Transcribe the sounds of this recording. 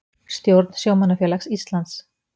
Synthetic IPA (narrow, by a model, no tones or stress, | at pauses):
st̪jowɾt̪n̥sjowmanːafjɛːlaksist̪lant̪s